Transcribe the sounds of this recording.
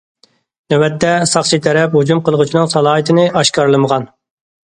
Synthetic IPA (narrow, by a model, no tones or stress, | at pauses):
nɛwɛt̪ʰːɛsɑχt͡ʃʰit̪ʰɛɾɛphud͡ʒumqəlˠəʁʊt͡ʃʰinɨŋsɑlˠɑːɦɨt̪ʰɪnɪʔɑʃkɑɾlˠɨməʁɑn